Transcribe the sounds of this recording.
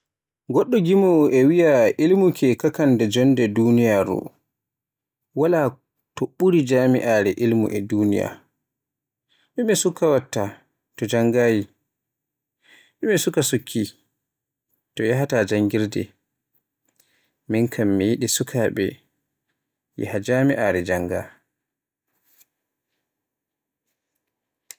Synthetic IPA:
ɡɔɗːɔɡimɔʔɛwijaʔilmukʰɛkakandɛd͡ʒɔndɛdunijaɾṵ | wala | tɔɓuɾid͡ʒaːmḭʔaːɾɛʔilmṵʔɛduːnija̰ | ɗumɛsukːawatːa | tɔd͡ʒaŋɡaːji | ɗɛmɛsukasukʰːi | tɔjaɦatad͡ʒaŋɡiɾdɛ̰ | minkʰamːijiɗisukʰaɓɛ | jɛ̰had͡ʒamiʔaɾɛd͡ʒaŋɡa̰

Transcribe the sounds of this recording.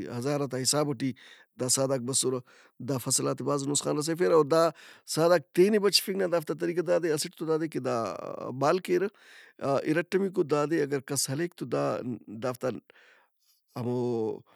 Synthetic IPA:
ɦɐzaːɾɐt̪aɦisaːbɐʈiː | d̪aːsaːd̪aːk̚bɐsoɾɐ | d̪aːfɐsɐlaːt̪ibaːznusxa̰ːnɾɐs̬efeɾɐːɾd̪aːsaːd̪aːk̚t̪eːnibɐt͡ʃi̥fiɡnaːd̪aːft̪at̪̬ɐɾiːk̬ɐd̪aːd̪eɐsiʈ̚t̪od̪aːd̪eked̪aːbaːlkeːɾɐ | ʔḭɾɐʈːɐmik̬od̪aːd̪eɐɡɐɾkɐshɐleːk̚t̪od̪aːd̪aːft̪a | ɐmoː

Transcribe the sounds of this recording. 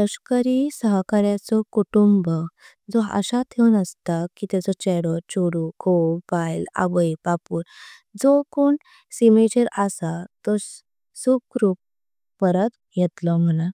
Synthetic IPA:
təɕkəɾisəɦkaɾjat͡sɔkuʈumbə | d͡zɔə̰ɕat̪ʰewnəst̪akit̪ad͡zɔt͡ɕɛɽɔt͡ɕoɽukopajla̰ʋəjpapuːɾ | d͡zɔkoɳ | simet͡ɕəɾasat̪ɔs | sukɾup̚ | pəɾət̪ | jɛt̪lɔm̤əna

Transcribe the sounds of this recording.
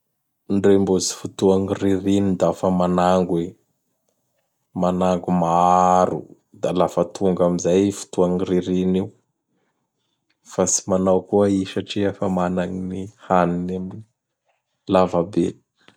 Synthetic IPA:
nɖ͡ʐembuzi̥fut̪uaŋiriɾinid̪aafəmanaŋɡwe | manaŋɡumaaaɾṵ | d̪alavat̪ʰuŋɡamizajfu̥t̪uaŋiɾiɾiniw | fasi̥manawkuəiʃaʈ͡ʂiafamanaŋinihaninamini | lavabḛ̥

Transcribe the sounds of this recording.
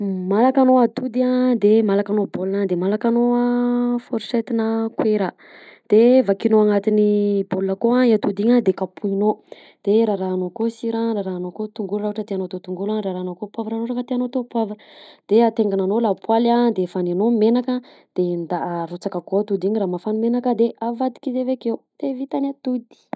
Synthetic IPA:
malakanoat̪ud̪iad̪emalakanobolnad̪emalakanoafoɾset̪inəkweɾa | d̪̥evakinoaŋat̪iniboləkoaiat̪ud̪iɲad̪ekapuino | d̪̥eɾaɾaːnokosiɾaɾaɾaːnokot̪uŋɡulraɦaʈ͡ʂət̪eanot̪ot̪uŋɡulanɾraɾaːnokopwavɾaɾoʈ͡ʂakət̪eanot̪opwavəd̪̥eat̪eŋɡananolapwalad̪efananomenaka | d̪̥end̪aɾot͡sakakoat̪ud̪iɲiɾaːmafanumenakəd̪eʔavad̪i̥kizevekeud̪̥evit̪anʲat̪ud̪i̥

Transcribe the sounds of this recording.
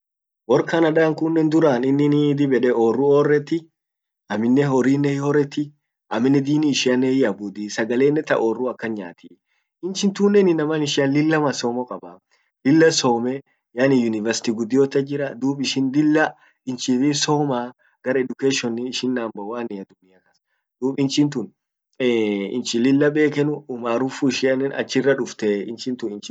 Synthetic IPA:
wɔɾkanɐᶑaːŋkʊnːɛnd̪ʊɾaːnɪnːɪnid̪ɪbɛᶑɛoːrːʊoːrːɛt̪ːɪ | ʔɐmːɪnːɛɦɔɾiːnːɛhɔrːɛt̪ːɪ | ʔɐmɪnːɛd̪iːnɪːʃɪɐnːɛhɪɐbʊd̪isɐɡɐle̞ːnːɛt̪ɐ̰ʔoːrːʊɐkːɐɲa̰ːt̪i | ɪnt͡ʃɪnt̪uːnːɛnɪnɐmɐnɪʃɪɐnlɪlːɐmɐsoːmɔkʼɐbɐ | lɪlːɐsoːmɛ | janɪjʊnɪvɐɾsɪ̥t̪iɡʊd̪ːɪjot̪ːɐd͡ʒɪɾɐd̪uːbʼɪʃɪnd̪ɪlːɐ | ɪnt͡ʃɪfisoːmaː | ɡ̥ɐɾɐɛd̪ʊkeːʃɔnɪɪʃɪnːaːmbɐwaːnɪɐd̪ʊmːɪjɐkɐs | d̪̥uːɓɪnt͡ʃɪnt̪ʊn | ɪ̰nt͡ʃɪlɪlːɐbe̞ːkɛnʊʊmaːɾʊfuɪʃɪɐnːɛnɐ̰t͡ʃːɪrːɐᶑʊft̪ɛɪnt͡ʃɪnt̪ʊɪnt͡ʃɪ

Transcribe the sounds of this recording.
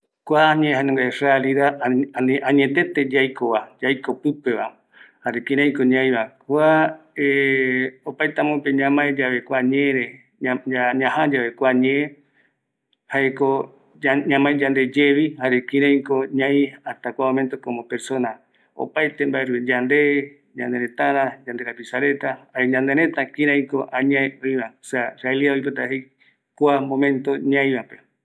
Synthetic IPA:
kʷaɲẽɦanẽŋɡarealiðanãɲẽt̪et̪ed͡ʒajkoβad͡ʒajkopɨpeβam | haɾekĩɾãj̃koɲãj̃βakʷae | opajt̪amõpeɲãmãẽd͡ʒaβekʷaɲẽɾe | aɲãɦãd͡ʒaβekʷaɲẽẽ | haʔeko | ɲãmãẽd͡ʒand̪e̞d͡ʒeβihaɾekĩɾãj̃koɲãj̃at̪akʷamomẽnt̪okõmopeɾsõna | o̰pajt̪embaʔeɾued͡ʒand̪e | ɲãnd̪eɾẽt̪ãɾãd͡ʒand̪ekapisaɾe̞t̪ahaɾeɲãnd̪eɾẽt̪akĩɾãj̃koʔãɲãeoĩβasaraeliaoip̬et̪aɦej | kʷamõmẽnt̪oɲãj̃βãpe

